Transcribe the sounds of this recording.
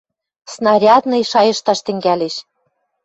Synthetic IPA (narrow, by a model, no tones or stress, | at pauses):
snɑɾʲɑt̪nɤ̆jʃɑjɤ̆ʃt̪ɑʃt̪ɘ̆ŋɡæleʃ